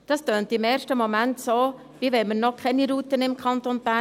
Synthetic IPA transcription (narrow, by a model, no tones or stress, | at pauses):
d̥ɑstøːntɪmɛːɾʃtəmɔmæntsoː | v̥iʋɛmənnɔkʰɛniɾuːtənɪmkʰɑntonb̥æː